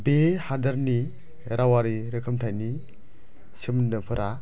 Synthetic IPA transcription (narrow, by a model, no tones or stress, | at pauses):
behadɐɾni | ɾawaɾiɾɯkʰɯmtʰajni | simnɯpʰɯɾʔa